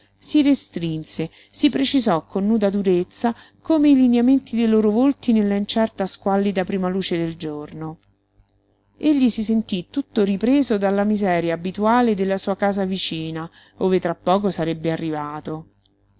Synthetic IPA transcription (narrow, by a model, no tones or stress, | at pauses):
sirest̪ɾinse | sipɾet͡ʃizɔkːonːuːd̪ad̪uɾet̪sːa | koːmeilinjament̪id̪ejloːɾovolt̪inelːaint͡ʃɛrt̪askwalːid̪apɾimaluːt͡ʃed̪eld͡ʒorno | eʎːisisent̪it̪ːut̪ːoɾipɾeːzod̪alːamizɛːɾjaːbit̪uaːled̪elːasuːakaːzavit͡ʃiːna | oːvet̪ɾapːɔːk̬osaɾebːearːivaːt̪o